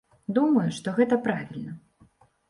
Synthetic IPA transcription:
d̪umɐjuʂt̪ɔɣɛt̪ɐpɾavʲilʲnɐ

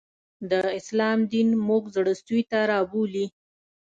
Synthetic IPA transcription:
d̪əɪslɑmd̪inmoɡzɽəst̪ujt̪aɾɑbuli

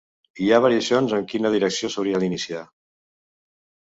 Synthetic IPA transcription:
iaβəɾiəsionzəŋkinəð̞iɾəksiosəwɾiəðinisia

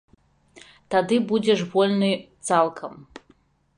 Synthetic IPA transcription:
t̪ad̪ɨbud͡zʲɛʐvɔlʲnɨt̪salˠkʰɐm

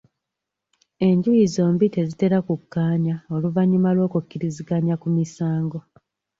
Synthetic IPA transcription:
e̞ɲɟujizo̞ːmbite̞zite̞ɾakukːaːɲao̞luvaɲːimalwo̞ːkokːiɾiziɡaɲakumisaːŋɡo̞

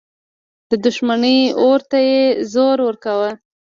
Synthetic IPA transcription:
d̪̥əd̪ʊʃmanəjoɾt̪ajezoɾwəɾkawə

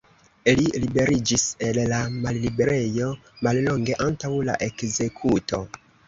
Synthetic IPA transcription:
lilibe̞ɾid͡ʒise̞llamallibe̞ɾe̞jo̞mallo̞ŋɡe̞ʔantawla̰ʔe̞kze̞kʰuto̞

